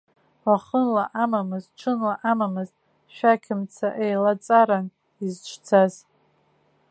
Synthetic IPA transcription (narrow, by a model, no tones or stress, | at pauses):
waχənlaʔamamɨzʈ͡ʂʷʰɨnlaʔamamɨztʼ | ʃᶣakʲʰɪmt͡sʰaʔejlat͡sʼaɾan | izt͡ʃʷʰt͡sʰaz